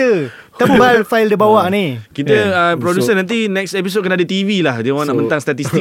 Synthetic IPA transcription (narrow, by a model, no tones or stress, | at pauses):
ə | t̪əbubalfaɪldibawaʔnĩkit̪əəpɾodusənant̪̬inɛksep̬is̬od̚kənadət̪ivilahdəoaŋnaʔmənt̪aŋst̪at̪ist̪i